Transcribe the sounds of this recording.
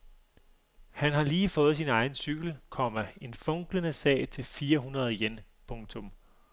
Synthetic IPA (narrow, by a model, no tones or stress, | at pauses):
hænhɑ̈liːfɔ̽ːð̩ˠsinɑ̈ɪn̩syɡ̥l̩kʰɒ̽m̰ɐe̝nfɔ̽ŋ̰ɡ̥lənəsɛ̰ːɪt͡sʰe̝lfiːɐɦunʁɐð̞ˠjen | pʰɔ̽ŋt͡sʰɔ̽m